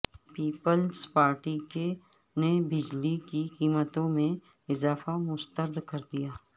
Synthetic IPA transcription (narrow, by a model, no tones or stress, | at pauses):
piːpəlspaːɾʈike | nebɪd͡ʒlikikiːmət̪õmẽ | ɪzaːfamʊst̪əɾd̪kɐɾd̪ijaː